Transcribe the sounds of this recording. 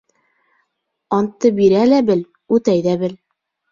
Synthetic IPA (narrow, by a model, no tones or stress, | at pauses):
ɑnt̪ːɤbiɾælæbɘl | ʉt̪æjðæbɘl